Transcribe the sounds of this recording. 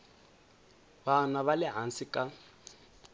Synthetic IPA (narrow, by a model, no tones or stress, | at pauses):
banaβalɛɦansikʼa